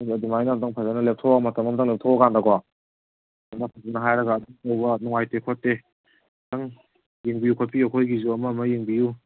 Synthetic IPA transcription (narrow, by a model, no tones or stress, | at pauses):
ɐdumajnamdaŋpʰazanɐlep̚tʰɔwɡamatɐmɐmdaŋlep̚tʰɔwaɡandaɡwa | amdapʰazanɐɦajɾɐɡaːduŋtɐwbɐnuŋajtekʰotːe | taŋ | jiŋbijukʰot̚pʰiɐkʰojɡizuɐmɐmɐjiŋbiju